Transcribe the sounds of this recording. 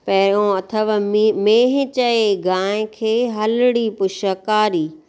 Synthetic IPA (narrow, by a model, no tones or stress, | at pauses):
pɐɦɪɾõɐt̪ʰəʋmẽːɦɪ̃t͡ɕɐeɡãːɪ̃kʰeːɦɐlɪɽipʊʃəkaːɾiː